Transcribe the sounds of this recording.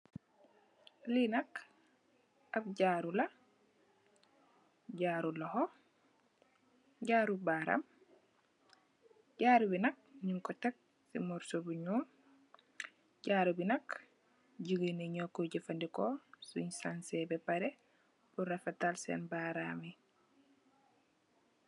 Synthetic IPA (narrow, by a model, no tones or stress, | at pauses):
linɐk | ab̚ɟaːɾula | ɟaːɾulɔhɔ | ɟaːɾubaɾa̰m | ɟaɾubinɐk̚ɲuŋkɔtɛk̚ | sḭmɔɾsobuɲuːm | ɟaːɾubinak | ɟiɡəneɲɔkːoɟifandikɔsuɲsansɛbɛpaɾɛ | b̥uɾafatalsɛ̰nbaɾami